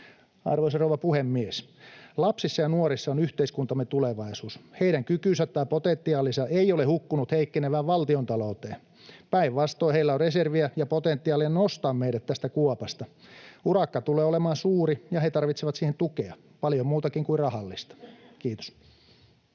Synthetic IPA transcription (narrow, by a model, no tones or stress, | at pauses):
ɑ̰rʋoˑisrouʋɑpuhemːieslɑpsisːɑjɑnuoɾisːɑonyht̪eiskunt̪ɑmːet̪uleʋɑisuːsheiɾæŋkykysæt̪t̪ːɑipot̪ent̪ːiɑːlisɑʔeiolehukːunut̪heikːeneʋæʋʋɑlt̪iont̪ɑloˑut̪ḛː | pæiʋʋɑst̪oiheilːæorreserʋiæjɑpot̪ent̪ːiɑːlienost̪ɑːmmeiɾæt̪t̪æst̪ækuopɑst̪ɑurɑkːɑt̪ulˑeːolemɑːnsuːrijɑhet̪ɑrʋit̪seʋɑt̪siːhent̪ukeɑ | pɑljommuːt̪ɑkiŋkuirrɑhɑlːist̪ɑ̥kiːt̪o̥s